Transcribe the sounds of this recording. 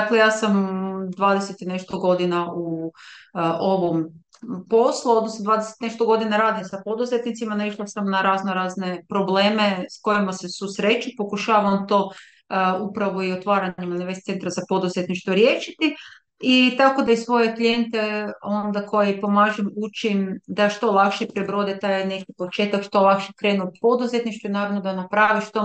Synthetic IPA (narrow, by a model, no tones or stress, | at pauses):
d̪aklejaːsamd̪ʋaːd̪eset̪ine̞ʃt̪oɡo̞d̪inau | ʔo̞ʋom | po̞slˠuod̪nosnod̪ʋaːd̪ese̥t̪neʃt̪oɡo̞d̪inaɾaːd̪isapo̞d̪uzet̪nit̪simanaiʃlˠasamnaɾaːznoɾaːzne̞pɾo̞ble̞ːme̞sko̞jimase̞susɾe̞t͡ʃipo̞kuʃaːʋamt̪o̞ː | upɾaʋo̞iot̪ʋaːɾaɲemaniʋest̪se̞nt̪ɾazapo̞d̪uzet̪niʃt̪ʋoɾje̞ːʃit̪i | it̪ako̞d̪aisʋo̞je̞klʲje̞nt̪e̞o̞nd̪ako̞jeipo̞maʒemut͡ʃimd̪aʃt̪o̞lˠakʃepɾebɾo̞d̪it̪ajne̞kipo̞t͡ʃe̞ːt̪akʃt̪o̞lˠakʃekɾe̞ːnupo̞d̪uze̞t̪niʃt̪uinaːɾaʋnod̪anapɾaʋiʃt̪o